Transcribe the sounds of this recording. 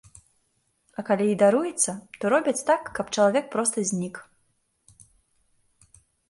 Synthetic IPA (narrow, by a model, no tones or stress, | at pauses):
ɐkalʲiːd̪aɾujɛt̪sːɐt̪ɔɾɔbʲɐt͡sʲt̪akːɐpt͡ʂɐlˠavʲɛk̚pɾɔst̪ɐzʲnʲik